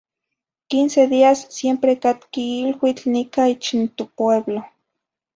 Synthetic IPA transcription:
kinseðiasːjempɾekat̪kiilwit͡ɬnikait͡ʃint̪opweβlo

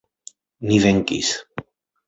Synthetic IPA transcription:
niðeŋkḭs

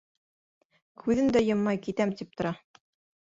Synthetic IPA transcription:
kʰʉðɘnd̪æjɤ̆mːɑjkit̪æmt̪ip̚t̪ŏɾɑ

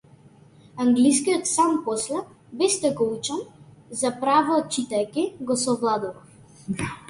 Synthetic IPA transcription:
aŋɡliskijɔt̪sampɔslɛ | bɛst̪ɛɡɔut͡ʃamzapɾavɔːt͡ʃit̪ajkʲiɡɔsɔvlˠad̪uɾaf

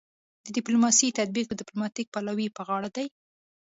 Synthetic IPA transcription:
d̪ədɪplumɑsit̪ad̪̚biq̚d̪əd̪ɪplumɑt̪ik̚palawipəɣɑɽad̪aj

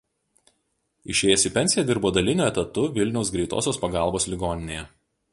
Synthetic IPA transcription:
ɪʃʲeːjɛsʲɪpʲɛnʲsʲɪjɛd̪ʲɪɾboːd̪ɐlʲɪnʲuːɛt̪ɐt̪ʊʋʲɪlʲnʲɛʊs̬ɡɾʲɛɪt̪o̰ːsʲoːspɐɡɑˑlˠboːslʲɪɡoːnʲɪnʲeːjɛ

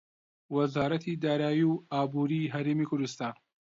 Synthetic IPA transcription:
wɐzaːɾɐt̪ʰid̪aːɾaːjiwaːbuːɾiɦɐɾeːmikʰʊɾd̪ɨst̪ɑːn

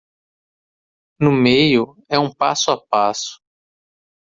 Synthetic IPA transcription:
nʊmejʊ | ɛũpa̰sʊapasʊ̥

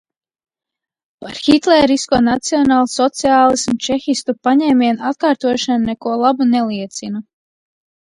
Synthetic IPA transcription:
paɾxit̪lɛɾiskuɔnat̪siɔnaːlˠsɔt̪siaːlˠismut͡ʃɛxist̪upaɲɛːmʲiɛnat̪̚kaːɾt̪uɔʃannɛkuɔlˠabunɛliɛt̪sina

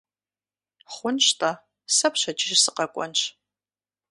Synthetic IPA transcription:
χʷʊnʃtʰʼa | sɐpɕɐt͡ʃʼɪʒsɨqɐkʷʼɔ̰nt͡ʃ

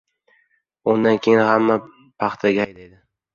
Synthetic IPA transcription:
ʊnd̪ankʲʰe̞jɪnhamːa | pʰɑχt̪ʰaɡʲaajd̪ajd̪ɪ

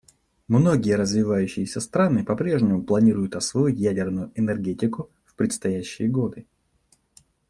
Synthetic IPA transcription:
mno̞ɡʲɪjəɾəzvʲɪvajʉɕːɪjɪsʲəst̪ɾanɨpɐpɾʲe̞ʐnʲɪmʊplˠɐnʲiɾʊjʊt̪ɐsvo̞ɪtʲjædʲɪrnʊjʊʔɛnɛrɡʲetʲɪkʊ | fpɾʲɪt̪st̪ɐjæɕːɪjəɡo̞d̪ɨ

